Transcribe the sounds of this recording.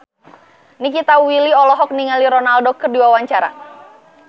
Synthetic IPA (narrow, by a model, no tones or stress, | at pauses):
nikit̪awiliɔlɔɦɔk̚niŋaliɾɔnaldɔkərdiwawaɲt͡ʃaɾa̰